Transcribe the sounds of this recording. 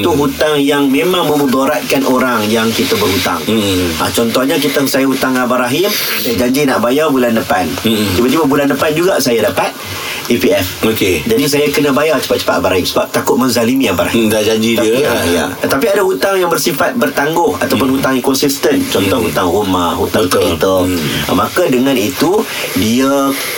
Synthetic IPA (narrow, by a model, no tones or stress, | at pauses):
it̪uɦut̪aŋjaŋmẽmãŋmə̃mub̪oɾat̪̚kanʔoɾaŋjaŋkit̪abərhut̪a̰ŋa̰t͡ʃɔnt̪ɔhɲak̬it̪əŋsajahut̪aŋabaɾaɦɪmsajad͡ʒaɲd͡ʒinaʔbajarbulandəpand͡ʒibat̪umabulandəpand͡ʒuɡasajadapat̪̚ | ipiɛfoked͡ʒadis̬ajakənə̃bajart͡ʃə̥pat̪̚t͡ʃə̥fat̪abaɾaɦimsəbap̚t̪akʊt̪̚məŋzalimĩabaɾaɦisad͡ʒaɲd͡ʒidiəaja̰t̪apiadaɦut̪aŋjaŋbərsifat̪̚bərt̪aŋɡʊha̰t̪awpʊnɦut̪aŋikɔnsist̪ənt͡ʃɔntt̪ɔhut̪aŋrumahɦut̪at̪ət̪əl̰makadəŋãnit̪u | dia